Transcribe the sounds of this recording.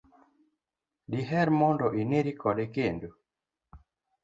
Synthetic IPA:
diɦɛɾmɔndɔʔineɾikɔɗekendu

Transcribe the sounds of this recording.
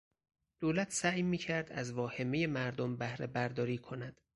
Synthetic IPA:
d̪̥oːlæt̪ʰsæʔjmiːcʰæɾd̪æ̰zvɒːhe̞meje̞mæɾd̪ombæhɾebæɾd̪ɒːɾiːkʰo̞næd̪̥

